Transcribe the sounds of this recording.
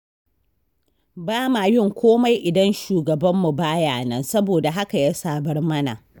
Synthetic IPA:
baː˦ma˨jɪ˦ŋkʷʰoː˦ma˦jʔɪ˨dɐ˦nʃuː˨ɡɐ˨bɐ˦mːu˨baː˦jaː˨nɐ˦nsɐ˦boː˨da˨ɦa˦ka˨jaː˦saː˦bɐ˦rmɐ˦na̰˨

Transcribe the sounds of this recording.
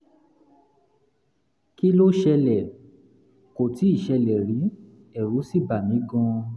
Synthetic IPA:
ki˦lo˦ʃɛ˧lɛ˨ | ko˨ti˨˦i˦˨ʃɛ˧lɛ˨ɾi˨˦ | ɛ˦˨ɾu˨˦si˦˨ba˨mĩ˨˦ɡɔ̃˧

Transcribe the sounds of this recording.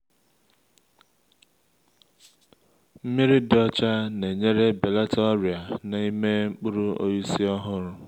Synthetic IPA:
m̩˦mi˦ɾi˦dɔ˦t͡ʃa˦ne˨ɲe˦ɾe˦be˨la˦tɔ˦ɾi˨a˨na˨i˦me˦ŋ͡m̩˦k͡pu˦ɾu˦o̰˦ji˦si˦ɔ˦ɦʊ˦ɾʊ˨

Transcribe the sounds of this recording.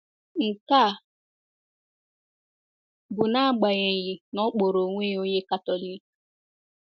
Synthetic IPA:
ŋ̩˨ka˦˨ | bʊ˨na˦a˦˨ɡ͡ba˨ɲe˨ɣi˨nɔ˦k͡po˨ɾo˨ŋʷe˦o˦ɲe˦ka˦tɔ˨li˦k

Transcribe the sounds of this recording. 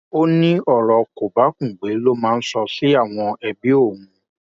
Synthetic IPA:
o˦nĩ˦ɔ˦˨ɾɔ˧ko˨ba˨˦kũ˦˨ɡ͡be˨˦lo˦mãː˦˧n̩˦sɔ˧si˦a˦˨w̃ɔ̃˧ɛ˧bi˦o˦˨w̃ũ˨˧

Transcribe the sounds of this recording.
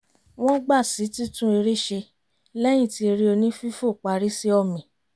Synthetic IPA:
w̃ɔ̃˦ɡ͡ba˦˨si˨˦ti˦tũ˦e˧ɾe˦˨ʃe˧ | lɛ˦j̃ĩ˦˨ti˧ɾi˦o˧nĩ˦fi˦fo˦˨k͡pa˨˧ɾi˦si˦ɔ˧˨mĩ˨

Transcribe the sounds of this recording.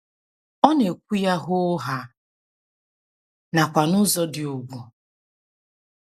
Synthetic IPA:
ɔ˦ne˨kʷu˦ja˦ɦʊ˦ɦa˦ | na˨kʷa˨nʊ˦zɔ˦dɪ˨o˨ɡʷu˨

